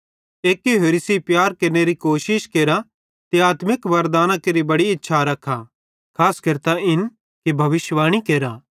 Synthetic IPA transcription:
eːkːeɦeːɾɪsipjaːɾkɐɾneɾikoːʃɪʃkeːɾa | t̪iaːt̪mɪkʋɐɾd̪aːnãkeɾibɐɽiɪtːʃʰaɾɐkʰa | kʰaːskɐɾt̪aɪn | kibʱɐʋɪʃʋaːɽ̃ikeːɾaː

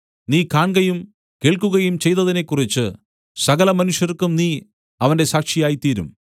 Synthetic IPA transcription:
niːkaːɳɡɐjum | ke̞ːɭkuɣɐjumt͡ɕe̞jt̪ɐðine̞kːurit͡ɕːɨ | sɐɣɐlɐmɐnuʂjɐrkːumniː | ɐʋɐnde̞saːkʂijaːjit̪iːɾṵm

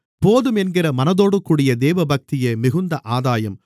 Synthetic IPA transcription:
poːðɯmɛnɡɪɾɐmɐnɐðoːɽɯkːuːɽɪjɐd̪eːʋɐbɐk̚t̪ɪjeːmɪɣɯnd̪ɐʔaːðaːjɐm

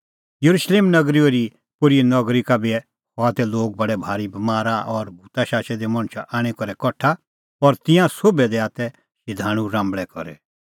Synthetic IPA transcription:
jɐɾuʃleːmnɐɡɾioɾi | pʊɾinɔɡɾikabiɛ | hɔat̪ɛloːɡ̚bɐɽɛbʱaːɾibɐmaːɾaʔɔɾbʱuːt̪aʃaːʃɛd̪emɐɽ̃ʃa̰ʔaːɽ̃ɛkɔɾɛkɔʈʰa | ɔɾt̪ɪ̃jãsobɛd̪ɛaːt̪ɛ | ʃɪd̪ʱaːɽ̃ũɾãːmbɭɛkɔ̰ɾɛ̰

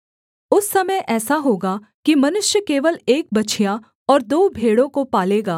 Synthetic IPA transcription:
ʊsːɐməjʔɛːsaɦoːɡaː | kimɐnʊʃjəkeːʋəleːk̚bɐtːt͡ʃʰija | ɔːɾd̪oːbʱeːɽõkopaːleːɡaː

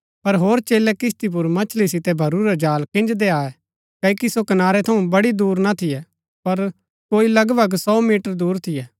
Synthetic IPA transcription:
pɐɾɦoːɾt͡ʃeːlɛkɪst̪ip̬ʊɾmɐt͡ʃʰlisɪt̪ɛbʱɐɾuɾɛd͡ʒaːlkɪ̃nd͡ʒd̪eaːɛ | kɐikisokɐnaːɾɛt̪ʰɐũbɐɽid̪uːɾnat̪ʰɪjɛ | pɐɾ | koːilɐɡbʱɐɡsɔːmiːʈəɾd̪uːɾt̪ʰɪjɛː

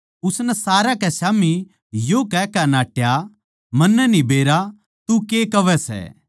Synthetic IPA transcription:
ʊsnɛsaːɾakɛsaːmi | joːkɛkɛnaːʈja | mɐnːɛnibeːɾa | t̪ukeːkɐʋɛsɛ̰ː

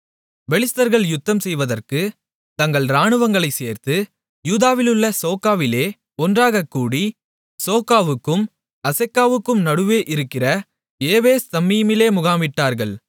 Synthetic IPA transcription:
ʋɛɭɪst̪ɐɾɣɐɭjʊt̪ːɐmsɛjʋɐðɐrkɯ | t̪ɐŋɡɐɭɾaːɳɯʋɐŋɡɐɭɐɪseːɾt̪ɯ | juːðaːʋɪlɯɭːɐsoːkːaːʋɪleː | ɔndraːɣɐkːuːɽi | soːkːaːʋɯkːɯm | ɐsɐkːaːʋɯkːɯmnɐɽɯʋeːʔɪɾɯkːɪrɐ | eːʋeːst̪ɐmːijmɪleːmʊɣaːmɪʈːaːɾɣɐɭ

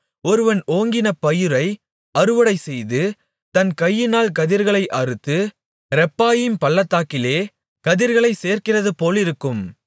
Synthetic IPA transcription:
ɔɾɯʋɐnoːŋɡɪnɐpɐjɯɾɐɪ | ɐɾɯʋɐɽɐɪsɛjðɯ | t̪ɐnkɐjːɪnaːlkɐðɪɾɣɐɭɐɪʔɐɾɯt̪ːɯ | ɾɛpːaːjɪmpɐlːɐt̪ːaːkɪleː | kɐðɪɾɣɐɭɐɪseːrkɪrɐðɯpoːlɪɾɯkːɯm

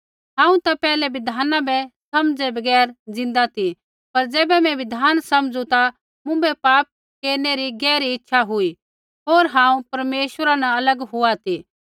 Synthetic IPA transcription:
ɦãːũt̪apɛːlɛʋɪd̪ʱaːnãbɛsɐmd͡zɛbɐɡɛːɾd͡zɪ̃nd̪at̪ʰi | pɐɾd͡zɛːbɛmɛ̃ʋɪd̪ʱaːnsɐmd͡zũt̪a | mʊ̃bɛpaːp̚ | keːɾneɾiɡɛːɾiɪtːʃʰaɦʊi | ɦoːɾɦãːũpɐɾmeːʃwəɾanaɐləɡɦʊat̪ʰi

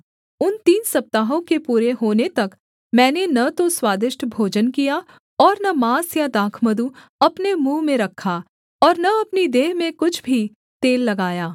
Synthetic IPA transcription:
ʊnt̪iːnsɐp̚t̪aːɦõkepuːɾeɦoːnet̪ɐk | mɛ̃ːnenɐt̪oswaːd̪ɪʃʈʰbʱoːd͡ʒənkija | ɔːɾnɐmaːsjad̪aːkʰməd̪uɐpnemũːmẽɾɐkʰːa | ɔːɾnɐɐpnid̪eːɦmẽkʊt͡ʃʰbʱi | t̪eːlːɐɡaːjaː

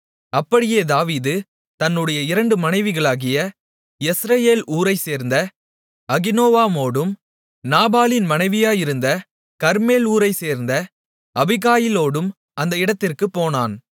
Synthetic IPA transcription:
ɐpːɐɽɪjeːd̪aːʋiːðɯ | t̪ɐnːɯɽɐjɐɪɾɐɳɖɯmɐnɐɪʋɪɣɐɭaːɣɪjɐ | ɛsɾɐjeːlʔuːɾɐɪseːɾnd̪ɐ | ɐɣɪnoːʋaːmoːɽɯm | naːbaːlɪnmɐnɐɪʋɪjaːjɪɾɯnd̪ɐ | kɐɾmeːluːɾɐɪseːɾnd̪ɐ | ʔɐbɪɣaːjɪloːɽɯm | ʔɐnd̪ɐɪɽɐt̪ːɪrkɯpːoːnaːn

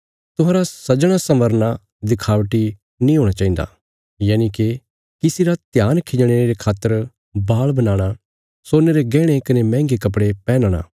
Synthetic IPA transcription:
t̪ʊɦãːɾasɐd͡ʒɽ̃asɐ̃məɾna | d̪ɪkʰaːʋʈi | nĩɦoːɽ̃at͡ʃaːĩnd̪a̰ | jaːnike | kɪsiɾat̪jaːnkʰɪd͡ʒɽ̃eeɾekʰaːt̪ːəɾ | baːɭbɐnãːɽ̃a | soːneɾeɡɛːɽ̃ekɐnemɛ̃ːŋɡekɐp̬ɽepɛ̃ːnəɽ̃a̰ː

